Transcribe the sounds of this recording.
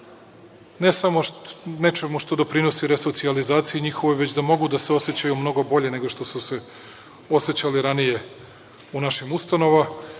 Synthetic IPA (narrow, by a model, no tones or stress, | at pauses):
ne̞samo̞ne̞t͡ʃe̞muʃt̪o̞d̪o̞pɾino̞siɾe̞so̞t̪sializaːt̪sijiɲixo̞ʋojʋe̞t͡ɕd̪amo̞ɡud̪aseo̞se̞t͡ɕajumno̞ɡo̞bo̞ʎe̞ne̞ɡo̞ʃt̪o̞suse | o̞se̞t͡ɕaliɾanije̞ | unaʃimust̪ano̞ʋa